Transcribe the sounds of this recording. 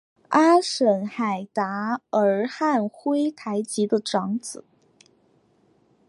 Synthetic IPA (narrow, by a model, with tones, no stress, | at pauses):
a˥ʂə˨˩nxa˨˩ɪt̪a˧˥ə˞˧˥xa˥˩nxwe˥ɪt̪ʰa˧˥ɪt͡ɕi˧˥d̪ə˧ʈ͡ʂɑ˧˥ŋt͡sɹ̩˨˩˦